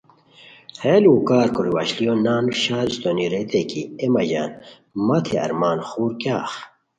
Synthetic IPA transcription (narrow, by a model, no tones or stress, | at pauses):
heluːkaːɾkoɾiwa̰ɕlijonaːnuɕaːlst̪oniɾet̪ekiemɐʑa̰ːn | mɐt̪ʰeɐ̰ɾmaːnxuːɾkjaːx